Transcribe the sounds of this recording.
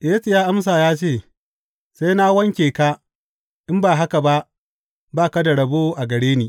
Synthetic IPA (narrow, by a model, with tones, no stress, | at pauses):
ʔe˦si˨jaː˦ʔa˦ms̬aː˨jaː˦t͡ʃeː˦˨ | sa˦jna˦wɐ˦ŋkʲeː˨kaː˦ | ʔɪ˦mbaː˨ɦa˦ka˨ba˦ʔ | baː˦˨ka˦da˨ɽɐ˨boː˦ʔa˨ɡɐ˨ɽeː˦niː˨